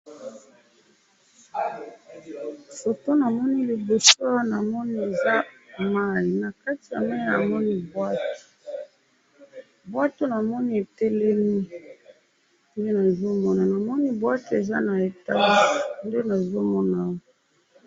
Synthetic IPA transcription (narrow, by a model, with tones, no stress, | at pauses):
so˨to˦na˨mɔ˦ni˦li˨bo˨so˦wa˦na˨mɔ˦ni˦e˨za˦ma˦i˨na˨ka˦ti˨ja˨mɛ˦na˨mɔ˦ni˦bwa˦to̥˨ | bwa˦to˦na˨mɔ˦ni˦e˨tɛ˦lɛ˦mi˦ | nde˦na˨zo˦mɔ˦na˨na˨mɔ˦ni˦bwa˦te˨za˦na˨e˨ta˦li˦nde˦na˨zo˦mɔ˦na˨wɔ˦